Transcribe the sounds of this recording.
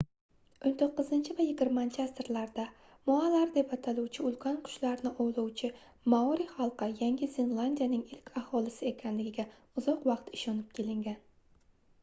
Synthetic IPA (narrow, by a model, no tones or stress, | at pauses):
ont̪ʰoqːɨzɪnt͡ʃʰɪvajɪɡʲɪɾmant͡ʃʰɪast̪ɾlaɾd̪a | mɒalaɾd̪e̞pat̪ʰalˠuwt͡ʃʰɪʊlˠkʲʰɒnqʰʊ̥ʃlaɾnɪʔowlˠɒwt͡ʃʰɪ | maɒɾiχɑlˠqɨjaŋʲɪzɪnlˠand̪ʲijanɪŋɪlkʲʰahɒlˠɪsɪe̞kʲʰanlɪɡʲɪɡʲa | ʊzɒqwɑqt̪ɪʃɒnɪp̚kʲʰe̞lɪŋɡʲan